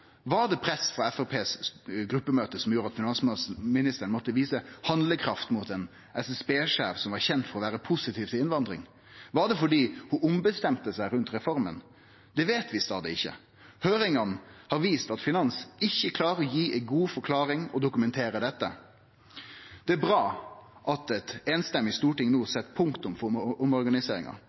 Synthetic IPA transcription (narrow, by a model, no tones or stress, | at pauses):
ʋɑd̪ɛpʰɾɛsfɾɑɛfɛpʰeːsɡɾʉpːəmøːt̪əsɔmjuːɾɑt̪fɪnɑnsmɪnɪst̪əɾəɳmɔt̪ːəʋiːsəhɑnd̪ləkʰɾɑft̪muːt̪ɛn | ʔɛsɛspeːʂæːʋsɔmʋɑɾçɛnt̪fɔɾɔʋæːɾəpʰʊsɪt̪ʰiːʋt̪ʰɪlɪnʋɑnd̪ɾɪ̰ŋ | ʋɑɖ̪ɛfɔɖiːhʊʔʊmbəst̪ɛmt̪əsæɪɾʉnt̪ɾɛfɔɾmə̰n | d̪ɛʋeːt̪ʰʋɪst̪ɑːd̪əɪçːə̰ | høːɾɪŋɑnhɑɾʋiːst̪ɑt̪fɪnɑnsɪçːəkʰlɑːɾəɔjiːʔɛɪɡuːfɔɾkʰlɑːɾɪŋɔd̪ʊkʉmɛnt̪ʰeːɾəd̪ɛt̪ːə̰ | d̪̥ɛæɾbɾɑːʔɑt̪ɛt̪eːnst̪ɛmːɪst̪uːʈɪŋnuːsɛt̪ːpʰʊŋkt̪ʊmfɔʊmɔɾɡɑnɪseːɾɪ̰ŋɑ̰